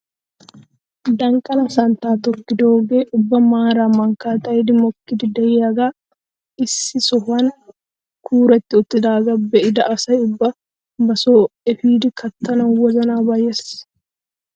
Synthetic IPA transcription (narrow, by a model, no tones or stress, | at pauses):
d̪ɐŋkʼɐlɐsɐnt̪aːt̪ɔkːɪd̪oːɡeːʔʊbːɐmaːɾamɐŋkaːt̪ɐɪd̪ɪmɔkːɪd̪ɪd̪ɐjɪɐɡa | ɪsːɪsɔfɐn | kʰuːɾɛt̪ːɪɔt̪ːɪd̪aːɡɐbːɛʔɪd̪ɐʔɐsɐjʊbːɐ | bɐsoːɛfiːd̪ɪkɐt̪ːɐnɐwɐzɐnaːbɐjes